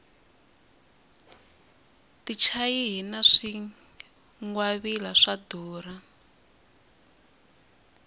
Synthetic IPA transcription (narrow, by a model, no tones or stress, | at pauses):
tit͡ʃʰajiɦinaʂi | ŋwaβilaʂadɔːra